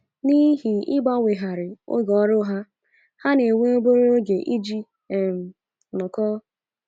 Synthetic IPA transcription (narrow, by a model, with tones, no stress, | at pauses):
ni˦ɦi˨ɪ˦ɡ͡ba˦ŋʷe˨ɦa˨ɾɪ˨o̰˦ɡɔ˨˦ɾʊ˦ɦa˦ | ha˦ne˨ŋʷe˦o˦bo˦ɾo˦ɡe˨ʔi˦d͡ʒi˦˨ | m̩˨ | nɔ˨kɔ˦